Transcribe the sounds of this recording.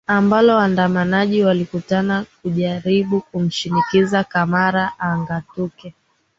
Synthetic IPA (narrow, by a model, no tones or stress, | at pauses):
ambalɔwandamanaʄiwalikutanak̚uʄaɾiɓukum̩ʃinikizakamaɾaʔaːŋɡatukɛ